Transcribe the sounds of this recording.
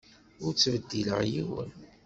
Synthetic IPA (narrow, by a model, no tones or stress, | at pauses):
ʊɾt͡sːvəd̪ːilə̰ʁjiwə̰n